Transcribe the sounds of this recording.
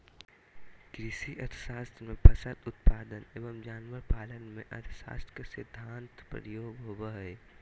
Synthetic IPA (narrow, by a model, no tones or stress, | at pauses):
kɾɪsiʔɐt̪ʰsaːst̪ʰmẽpʰɐsət̪ʊt̪paːd̪əneːʋəmd͡ʒaːnʋəɾpaːlənmẽʔɐ̰t̪ʰsa̰ːst̪ʰkesɪd̪ʱːãːnt̪pɾə̰ɾjoːɡɦobəɦj